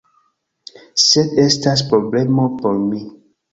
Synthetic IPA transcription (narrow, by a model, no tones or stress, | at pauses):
sedɛstaspɾoblemopoɾmi